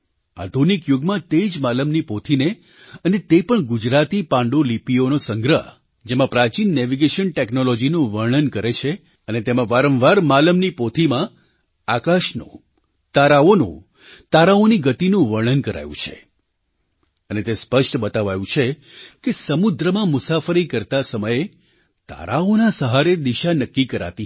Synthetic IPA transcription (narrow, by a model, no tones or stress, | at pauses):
a̰d̪ʱunikjuɡmãt̪ed͡ʒmaləmnipot̪ʰine | ənet̪epəɳɡud͡ʒɾat̪ipãɳɖolipionosəŋɡɾəɦ | d͡ʒemãpɾat͡ʃinːɛʋiɡeʃənʈeknolɔd͡ʒinũʋəɾɳənkəɾet͡ʃʰe | ənet̪emãʋaɾə̃mʋaɾmaləmnipot̪ʰimã | akaʃnõ̰ | t̪aɾaonṵ̃ | t̪aɾaoniɡət̪inũʋəɾɭənkəɾa̰jṵ̃t͡ʃʰḛ | ənet̪espəʃʈbət̪aʋajũt͡ʃʰe | kesəmʊd̪ɾəmãmʊsafəɾikəɾt̪asəməje | t̪a̰ɾaonasəɦaɾed̪iʃanəkːikəɾa̰t̪i